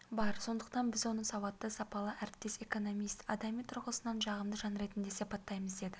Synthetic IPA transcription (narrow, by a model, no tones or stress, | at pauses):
bɑɾso̞nd̪əqt̪ɑnbɪzwo̞nəsɑwɑt̪ːəsɑpɑlˠəʔæɾɪp̚t̪e̞se̞ko̞no̞mijst̪ɑ̰d̪ɑmijt̪ʰʊɾʁəsənɑnʒɑʁəmd̪əʒɑnɾe̞t̪ɪnd̪e̞sipɑt̪ːɑjməzd̪e̞d̪ɪ